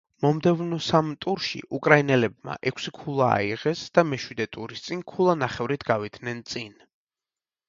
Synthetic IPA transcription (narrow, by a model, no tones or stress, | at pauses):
mɔmd̪ɛvnɔsamt̪ʼuɾʃḭʔukʼɾainɛlɛb̚ma̰ʔɛkʷʰsikʰulˠaa̰iʁɛsd̪̥amɛʃwid̪ɛt̪ʼuɾist̪sʼinkʰulˠanaχɛvɾit̪ʰɡavid̪̥ʰnɛnt̪sʼin